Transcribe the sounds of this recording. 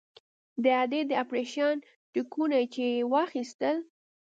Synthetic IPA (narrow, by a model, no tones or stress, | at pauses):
d̪əad̪ed̪əapɾeʃɑn | ʈikunat͡ʃewɑxist̪əl